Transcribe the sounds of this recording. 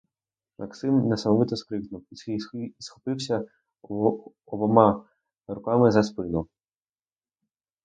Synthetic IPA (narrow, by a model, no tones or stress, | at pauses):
mɐ̰ksɪmnɛsɐmɔʋɪt̪ɔskɾɪknʊw | isxɔ̥pɪwsʲɐ | ɔbɔmɑ | ɾʊkɑmɪzɐspɪnʊ